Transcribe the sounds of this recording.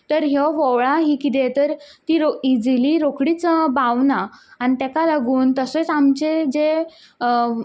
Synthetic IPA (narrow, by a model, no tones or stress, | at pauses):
t̪əɾɦjɔʋəwɭaɦiːkit̪̬et̪əɾt̪iːɾoid͡ziliɾokɽiːt͡sbaʋnaːñit̪ɛkalaɡuːnt̪əsət͡samt͡ɕed͡ze